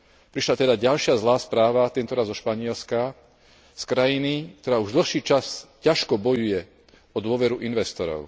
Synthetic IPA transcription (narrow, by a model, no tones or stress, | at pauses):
pɾiʃlat̪ɛd̪aɟalʃɪazlaːspɾaːʋat̪ɛnt̪ɔɾazɔʃpaɲɪɛlska | skɾajinik̚t̪ɔɾaːuʒd̪l̩xʃiːt͡ʃascaʃkɔbɔjujɛ | ɔd̪ʊɔʋɛɾuʔinʋɛst̪ɔɾɔ̰ʊ